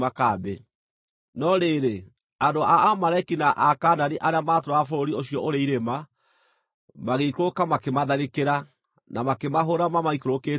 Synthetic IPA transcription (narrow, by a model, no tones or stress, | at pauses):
makabe | nɔɾeːɾe | andoaamalaikinaʔakaːnaniʔaɾeamaːtɾoafoɾoɾioɕijɔʔoɾeiɾema | maɣeikokamakemaðaɾekeɾa | namakemaɦoɾamamaikoɾokeː